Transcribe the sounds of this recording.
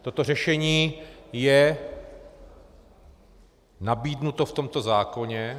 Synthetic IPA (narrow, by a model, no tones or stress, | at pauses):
t̪o̞t̪o̞rɛʃɛɲiːjɛ | nabiːdnut̪oft̪o̞mt̪o̞zaːko̞ɲɛ